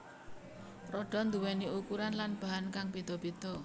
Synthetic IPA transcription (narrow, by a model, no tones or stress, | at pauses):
rɔɖ̥ɔ̤nd̪uwɛniukuɾanlanb̥a̤ɦankaŋbid̪̥ɔ̤b̥id̪̥ɔ̤